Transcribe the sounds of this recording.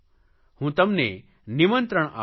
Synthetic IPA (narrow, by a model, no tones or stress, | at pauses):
hũːt̪əmne | nimə̃nt̪ɾəɽ̃a̰